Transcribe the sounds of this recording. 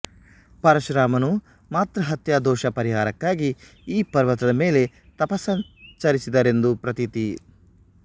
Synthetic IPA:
pɐɾɐʃɾaːmɐnu | maːt̪ɾɐɦɐt̪jad̪ɔːʃɐpɐɾiɦaːɾɐkːaːɡi | iːpɐɾʋɐt̪ɐd̪ɐmeːle̞ | t̪ɐpɐsɐnt͡ʃɐɾisid̪ɐɾe̞nd̪upɾɐt̪it̪i

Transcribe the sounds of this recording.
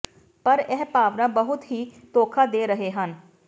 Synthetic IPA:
pəɾɛːpaːʋnãːbəɦʊt̪ɦiːt̪oːkʰaːd̪eːɾəɦeːɦən

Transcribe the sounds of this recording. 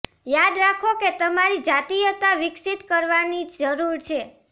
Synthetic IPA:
jad̪ɾakʰoket̪əmaɾid͡ʒat̪ijət̪aʋɪksit̪kəɾʋanid͡ʒd͡ʒəɾuɾt͡ʃʰe

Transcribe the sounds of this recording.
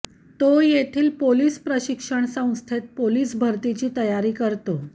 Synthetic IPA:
t̪ojet̪ʰiːlpoliːspɾəɕikʂəɳsə̃w̃st̪ʰet̪̚poliːsbʱəɾt̪it͡ɕiːt̪əjaɾiːkəɾt̪o

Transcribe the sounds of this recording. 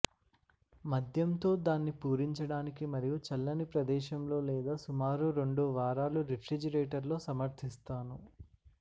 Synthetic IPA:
mɐd̪ʱjɐnt̪o̞ːd̪aːnːipuːɾiɲt͡ʃɐɽaːnikimɐɾijut͡ʃɐlːɐnipɾɐd̪ɛːʃɐmlo̞ːlɛːd̪aːsumaːɾuɾe̞ɳɖuʋaːɾaːluɾifɾid͡ʒɐɾeːʈɐɾlo̞ːsɐmɐɾt̪ʰist̪aːnu

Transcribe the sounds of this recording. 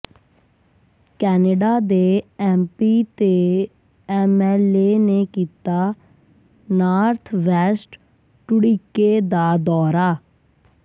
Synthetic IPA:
kɛːneɖaːd̪eːɛːmpiːt̪eː | ɛːmɛːleːneːkiːt̪aː | naːɾt̪ʰʋɛːsʈ | ʈʊɽiːkeːd̪aːd̪ɔːɾaː

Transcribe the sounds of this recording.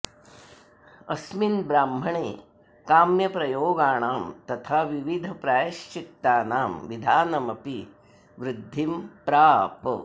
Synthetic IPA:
ɐsminbɾaːmbʱɐɳeː | kaːmjɐpɾɐjoːɡaːɳaːmt̪ɐt̪ʰaʋiʋid̪ʱɐpɾaːjɐʃt͡ʃik̚t̪aːnaːmʋid̪ʱaːnɐmɐpi | ʋɾɪd̪ʱːimpɾaːp

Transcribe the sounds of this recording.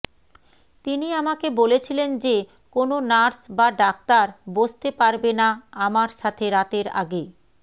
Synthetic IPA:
t̪iniamakebolet͡ɕʰilend͡ʑe | kononaɾsbaɖak̚t̪aɾbod͡ʑt̪epaɾbenaamaɾʃat̪ʰeɾat̪eɾa̰ɡe

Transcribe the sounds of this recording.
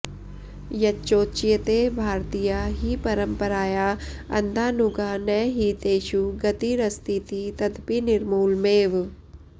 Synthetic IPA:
jɐt͡ʃoːt͡ʃijət̪ebʱaːɾt̪ijaɦipɐɾə̃mpəɾaːjaːɐ̰nd̪ʱaːnʊɡaːnɛːɦit̪eːʃuɡɐt̪iɾɐst̪it̪it̪ɐd̪pinɪɾmuːlmeːʋ

